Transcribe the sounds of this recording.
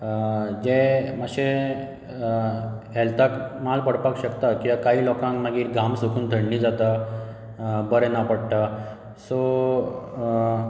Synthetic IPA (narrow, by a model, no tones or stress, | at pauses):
d͡ʑemaɕe | ɦɛlt̪akmalpəɽpakɕəkt̪akĩʋakaɦiːlɔkãŋkmaɡiːɾɡamsukʰuːnd̪ʱəɽniːd͡zat̪a | bəɾɛnapəɽʈa | so